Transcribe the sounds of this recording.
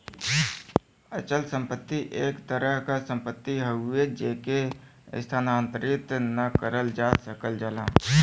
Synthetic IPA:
ət͡ʃəlsə̃mpət̪ːiʔeːkt̪əɾəɦkasə̃mpət̪ːiɦəued͡ʒeːkḛst̪ʰaːnaːnt̪əɾɪt̪nəkəɾəld͡ʒaːt̪səkəld͡ʒəlã̰ː

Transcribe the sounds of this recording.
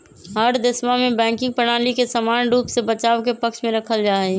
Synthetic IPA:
ɦəɾd̪ɪsmamẽbɛ̃ːkɪ̃ŋɡ̚pəñaːlikesəmaːnɖuːpsebət͡ʃaːʋkepəkʃmẽɾɐkʰəld͡ʒaːɛ

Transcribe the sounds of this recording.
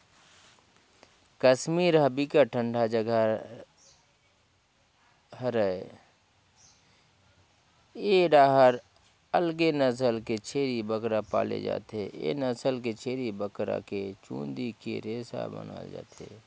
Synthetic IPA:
kəsmiːɾɦəbikaʈʰə̃ɳɖʱad͡ʒəɡa | həɾə | eɖaːɦəɾ | əlɡenəs̬əlket͡ʃʰeːɾibəkɾapa̰ːlḛd͡ʒa̰ːt̪eḛnəsəlket͡ʃʰeːɾibəkɾa̰ket͡ʃṵ̃ːnd̪ikḛɾeːsa̰bə̰na̰ːd͡ʒa̰ːt̪e

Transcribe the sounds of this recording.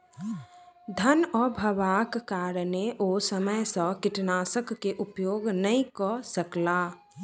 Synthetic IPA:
d̪ʱənɔːbʱəʋaːkːaːɾneʔoːsəməjsə̃kɪʈnaːsəkːeʔʊpjoːɡnəĩkɔsəklaː

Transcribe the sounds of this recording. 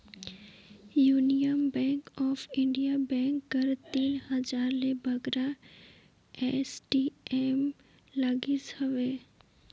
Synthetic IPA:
juːnijəmbɛ̃ːŋkɔːfɪ̃ɳɖijabɛ̃ːŋkːɐəɾt̪iːnhɐd͡ʒaːɾlebʱɐɡɾa | ɛːsʈiɛːm | laɡisɐʋeː

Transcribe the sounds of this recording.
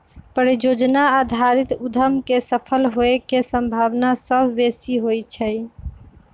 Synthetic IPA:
pəɾid͡ʒod͡ʒnaːd̪ʱaɾit̪ud̪ʱəmkesəpʰəlɦoekesə̃mbʱaʋnasəbʱbesiɦojt͡ʃʰəj

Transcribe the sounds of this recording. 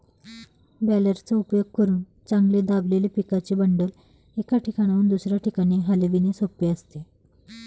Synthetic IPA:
bæləɾt͡saupjoɡ̚kəɾuːn | t͡sãŋɡled̪ablelipikat͡ɕiːbəɳɖəl | ekaʈʰikaɽ̃auːnd̪usɾjaʈʰikaɽ̃iːɦaleʋinesopeəst̪e

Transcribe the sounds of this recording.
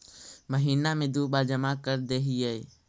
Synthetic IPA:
məɦiːnamẽd̪uːɓaːd͡ʒəmakəɾd̪eːɦiɛe

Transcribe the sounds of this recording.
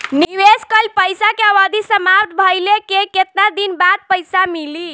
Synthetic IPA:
niweskəlpəjsakeabad̪isəmap̚t̪ʰbʱəjlekeket̪nad̪inbad̪̚pəjsamili

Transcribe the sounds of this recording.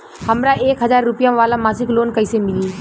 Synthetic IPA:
həmɾaʔeːkɦəzaːɾːʊpjãʋaːlamaːsikloːnkəɪsemɪliː

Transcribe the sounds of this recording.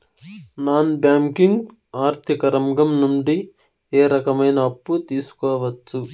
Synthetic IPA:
naːnbjaːŋkiŋɡ | aːɾt̪ʰikɐɾɐmɡɐmnuɳɖi | eːɾɐkɐmɐjnɐːpːut̪iːsu̥kɔːʋɐt͡ʃːu

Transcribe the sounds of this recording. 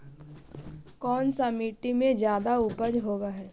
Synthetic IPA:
kɔːnsamiːʈimẽd͡ʒjaːd̪aupəd͡ʒɦoːɡaɦɛː

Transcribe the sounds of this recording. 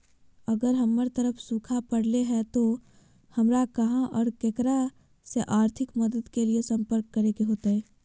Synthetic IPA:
ɐɡəɾɦɐmːəɾt̪ɐɾəpʰsuːkʰapɐɽleɦɛt̪o | hɐmɾakɐɦãʔɔːɾkekəɾa | seʔaːɾt̪ʰɪkmɐd̪əd̪keliesɐ̃mpəɾkːɐɾeːkeɦoːt̪aɦɛː

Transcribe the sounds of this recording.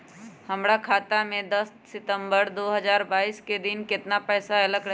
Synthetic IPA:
həmɾakʰaːt̪amẽd̪əs | sɪt̪ə̃mbəɾd̪oːɦəzaːɾbaːiːsked̪ɪnkɪt̪napɛːsaɪləkɾ

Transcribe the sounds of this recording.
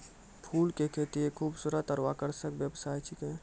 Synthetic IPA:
pʰuːlkekʰeːt̪iekʰuːbsuːɾət̪əɾwakəɾsəkʋjəbsaːjt͡ʃʰikẽ

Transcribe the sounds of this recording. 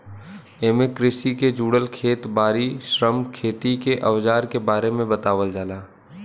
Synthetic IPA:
eːmekɾɪʃiked͡ʒuːɽəlkʰeːt̪baːɾiʃɾəmkʰeːt̪ikeʔɐʋd͡ʒaːɾkebaːɾemẽbɐt̪aːʋəld͡ʒaːlaː

